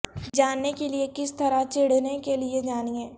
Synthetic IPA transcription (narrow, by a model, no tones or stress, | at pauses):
d͡ʒaːnːekeliekɪst̪ɐɾat͡ʃɪɽ̤nekelied͡ʒaːniɛ̃ː